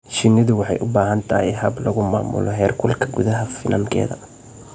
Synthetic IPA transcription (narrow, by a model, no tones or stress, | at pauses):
ʃɪnːɪðʊwɑħɑjʔʊbaːɦɐnt̪ʰɐhɛɦɐblɐɣʊmaːmʊ̰lɔɦɛːrkʰʊlkʰɐɡʊðɐɦɐfɪnɐŋkʰɛ̰ːðɐ̰